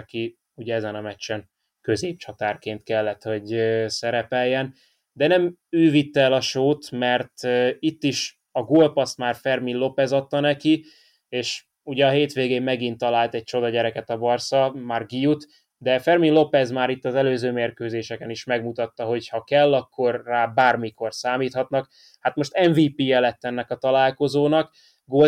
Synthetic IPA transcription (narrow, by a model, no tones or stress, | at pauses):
ki | uɟɛɛzɛnɒmɛt͡ʃːɛn | køzeːp̚t͡ʃɒt̪aːrkeːnt̪kɛlːɛt̪ho̞ɟøsɛɾɛpɛjːɛn | d̪ɛnɛmøːvit̪ːɛːlɒʃoːt̪mɛrt̪ːit̪ːiʃ | ɒɡoːlpɒst̪maːrfɛrminlo̞pɛzɒt̪ːɒnɛki | eːʃ | uɟɛɒɦeːt̪ʋeːɡeːmːɛɡint̪ːɒlaːlt̪ɛc̚t͡ʃo̞d̪ɒɟɛɾɛkɛt̪ɒbɒrsɒmaːrɡijut̪ | d̪ɛfɛrminlo̞pɛzmaːɾit̪ːɒzɛløːzøːmeːrkøːzeːʃɛkɛniʃmɛɡmut̪ɒt̪ːɒɦo̞chɒkɛlːɒkːo̞rːaːbaːrmiko̞rsaːmiːt̪hɒt̪nɒk | hat̪moʃt̪ɛɱviːpiːɛlɛt̪ːɛnːɛkɒt̪ɒlaːlko̞zoːnɒk | ɡoː